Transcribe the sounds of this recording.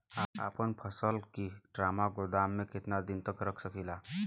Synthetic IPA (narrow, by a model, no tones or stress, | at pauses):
aa̰ːpənpʰəsəlkiɖɾaːmaɡʊd̪aːmːẽkɪt̪nad̪ɪnt̪əkɾəkʰsəkʰila